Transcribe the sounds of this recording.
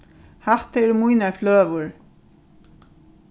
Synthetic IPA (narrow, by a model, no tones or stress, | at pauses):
haht̪ɛɾmujnaɹfløːvʊɹ